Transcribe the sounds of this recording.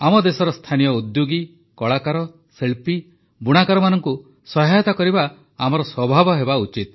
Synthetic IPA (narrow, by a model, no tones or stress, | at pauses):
amɔd̪esɔɾɔst̪ʰanijɔud̪joɡi | kɔɭakaɾɔ | seɭpi | buɽ̃akaɾɔmanɔŋku | sɔɦajɔt̪akɔɾibaː | mɔɾɔswɔbʱabɔɦebaut͡ʃit̪̚